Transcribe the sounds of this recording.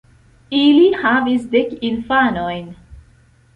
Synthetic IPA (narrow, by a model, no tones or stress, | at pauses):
ilihavisdekinfano̞jn